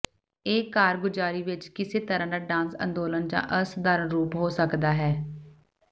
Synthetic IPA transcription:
eːkaːɾɡʊd͡ʒaːɾiːʋɪt͡ʃkɪseːt̪əɾãːd̪aːɖãːnsə̰̃nd̪oːlənd͡ʒã̰ːʔəsd̪aːɾənɾuːpɦoːsəkd̪aːɦɛː

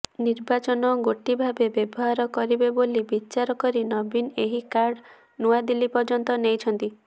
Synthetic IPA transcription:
niɾbat͡ʃɔnɔɡoʈibʱabebebɔɦaɾɔkɔɾibebolibit͡ʃaɾɔkɔɾinɔbineɦikaɾɖ | nuad̪ilipɔɾd͡ʒɔnt̪ɔnejt͡ʃʰɔnt̪i

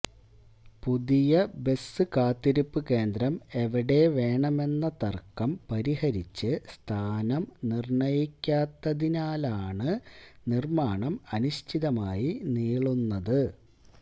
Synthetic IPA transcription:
puðijɐbe̞sːɨkaːt̪ːiɾipːɨke̞ːnd̪ɾɐme̞ʋiɽe̞ʋe̞ːɳɐme̞nːɐt̪ɐrkːɐmpɐɾihɐɾit͡ɕːɨst̪ʰaːnɐmnirɳɐjikʲːaːt̪ːɐðinaːlaːɳɨnirmaːɳɐmɐnuɕt̪ʰiðɐmaːjiniːɭunːɐðɨ

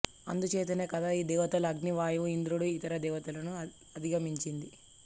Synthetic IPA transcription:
ɐ̰nd̪ut͡ʃeːt̪̬ineːkɐd̪aːiːd̪ɛːʋɐt̪ɐlɐɡniʋaːjuind̪ɾuɽuit̪ɐɾɐd̪ɛːʋɐt̪ɐlɐnu | ɐd̪ʱiɡɐmiɲt͡ʃind̪i

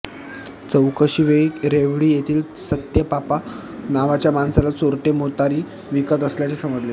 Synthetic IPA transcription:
t͡səwkəɕiːʋeikɾeʋɽiːjet̪ʰiːl | sət̪jəpapa | naʋat͡ɕjamansalat͡soɾʈemot̪aɾiː | ʋikət̪əsljat͡sesəməd͡zle

